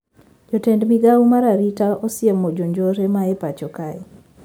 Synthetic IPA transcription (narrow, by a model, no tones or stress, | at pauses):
d͡ʒɔtɛndmiɡawmaɾaɾitaosɪemod͡ʒoɲd͡ʒoɾemaepat͡ʃɔkaɛ